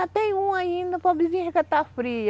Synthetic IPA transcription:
at̪ẽj̃ũaĩnd̪ɐpɐbizĩɐkat̪afɾiɐ

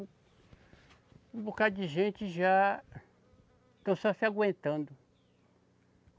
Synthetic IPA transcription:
ũbokad͡ʒɪʒẽnt͡ʃɪʒa | t̪ɐ̃w̃sɔsiaɡwẽnt̪ɐ̃nd̪ʊ

